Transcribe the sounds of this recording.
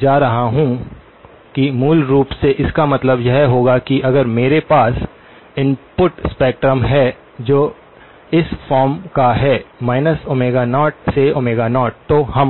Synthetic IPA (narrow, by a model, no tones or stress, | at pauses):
d͡ʒaːɾɐɦaɦũ | kimuːlɾuːpseʔɪskamɐt̪ləbjɛɦɦoːɡakiʔɐɡəɾmeːɾepaːs | ɪ̃npʊʈspɛːk̚ʈɾəmɦɛ | d͡ʒoː | ɪsfɔːɾmkaɦɛːmaːɪnəsoːmeːɡanɔːʈ̚seoːmeːɡaːnɔːʈ̚t̪ohɐm